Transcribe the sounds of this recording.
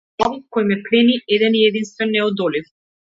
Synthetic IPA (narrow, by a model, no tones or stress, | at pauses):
avkɔjmɛplɛniɛd̪ɛniɛd̪inst̪vɛnːɛɔd̪ɔlif